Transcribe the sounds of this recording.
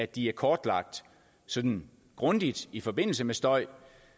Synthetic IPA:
æ̥d̥iæɐkʰɒːd̥lɑ̈ɡ̥̚d̥ | sɒ̽d̥n̩ | ɡ̥ʁɔ̽nd̥id̥ifɒ̽b̥e̝n̰l̩səmesd̥ɒ̽ɪ̰

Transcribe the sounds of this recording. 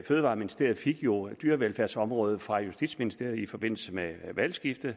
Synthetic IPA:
føːðˠʋɑ̈ːminisd̥e̝ɐ̰ð̩ˠfiɡ̥jo̝d̥yːɐʋelfæɐsɒ̽mʁɔ̽ːð̞ˠfʁɑ̈jusd̥id̥sminisd̥e̝ɐ̰ð̩ˠifɒ̽b̥e̝n̰l̩səmeʋælsɡ̥ifd̥ð

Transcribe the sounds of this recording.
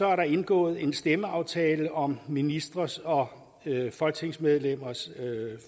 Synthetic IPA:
ɒ̽æɐɾɑ̈e̝nɡ̥ɔ̰̽ːð̞̩ˠe̝nsd̥eməɑ̈ʊt͡sʰɛːləʔɒ̽mminisd̥ʁɐsɒ̽ | fɒ̽lɡ̥̚t͡sʰe̝ŋsmeð̞ˠlem̰ɐs

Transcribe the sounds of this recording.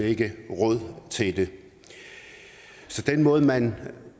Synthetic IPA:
e̝ɡ̥əʁɔð̰ˠt͡sʰe̝ld̥e̝ | sɒ̽d̥enmɔ̽ːð̞̩ˠmæn

